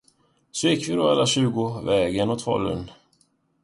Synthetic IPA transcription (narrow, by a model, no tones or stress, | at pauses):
sɔjɪkːvɪd̪ɔalːaɕʉ̟ːɡʊvɛːɡənɔt̪vɔ̰lːə̰n